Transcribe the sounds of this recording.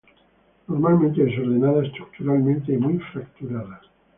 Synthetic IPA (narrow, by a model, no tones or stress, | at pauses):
noɾmalˠmẽnt̪eesoɾðenaðaest̪ɾuk̚t̪uɾalmẽnt̪eimujfɾakt̪uɾaða